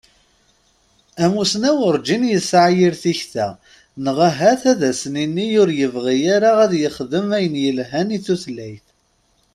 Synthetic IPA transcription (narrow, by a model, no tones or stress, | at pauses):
æmusnæwəɾd͡ʒinjəsʕajiɾθiçθæ | nəʁæɦæθæðæsəninːijʊɾjəvʁijaɾaʁæðjəχðəmæjənjəlɦæniθuθlːæjθ